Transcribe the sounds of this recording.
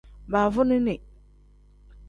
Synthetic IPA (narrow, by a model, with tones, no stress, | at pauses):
ba˨vʊ˦nɪ˦nɪ˨